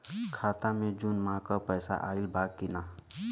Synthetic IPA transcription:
kʰaːt̪amẽd͡ʒunmãkɔpɛjsa̰ʔa̰ːilbʱaːɡ̚kina

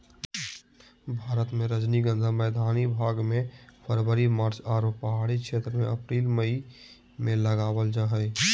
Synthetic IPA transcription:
bʱaːɾət̪mẽɾəd͡ʒniɡə̃nd̪ʱamɛːd̪ʱaːnibʱaːɡmẽpʰəɾwəɾimaːɾt͡ʃaːɾoːppəɦaːɽikʃʰeːt̪ɾəmḛ̃ɐpɾiːlməi | mẽləɡaːwəld͡ʒaɦəj

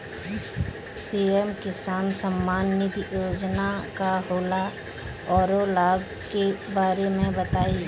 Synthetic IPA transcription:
piɛmkɪsaːnsəmːaːnːɪt̪joːd͡ʒnakaɦoːla | ɔːɾolaːb | kebaːɾemẽbət̪aːi

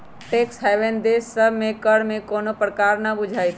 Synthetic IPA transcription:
ʈeksɦɛʋẽnd̪esəbʱmẽkəɽmẽkoːnopɾəkaːɾnəbʊd͡ʒʱaːjt̪ʰ

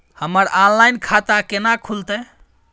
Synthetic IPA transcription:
həməɾallajnkʰat̪akenakʰult̪ɛ

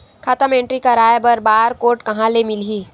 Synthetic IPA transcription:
kʰaːt̪amẽɳʈɾikaɾaːjbəɾbaːɾkoːʈkɐɦãlemɪlɦiː

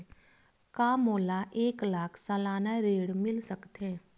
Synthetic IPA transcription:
kaːmoːlaʔeːklaːkʰsalaːnaɾeːɽmɪlsəkt̪ɦɛ̃ː

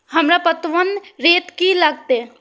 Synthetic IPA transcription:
hɐmɾapət̪ʋənɾeːt̪kilɐɡ̚t̪e

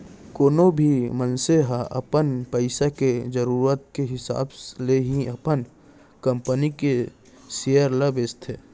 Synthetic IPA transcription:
koːnobʱimənseɦaʔə̰pənpəɪsaked͡ʒəɾuːɾət̪̚keɦɪsa̰ːbsleɦiəpən | kəmpənike | sejəɾləbeːst̪ʰe

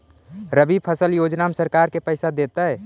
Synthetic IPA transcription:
ɾəbipʰəsəljod͡ʒnamesəɾkaɾkepəɪsad̪et̪ə

